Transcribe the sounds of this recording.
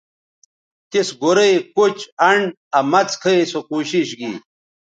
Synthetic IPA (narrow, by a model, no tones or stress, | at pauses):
t̪isɡoɾejkut͡ɕɐɳɖ | ɐmɐt͡skʰɐjsokuːɕiɕɡḭ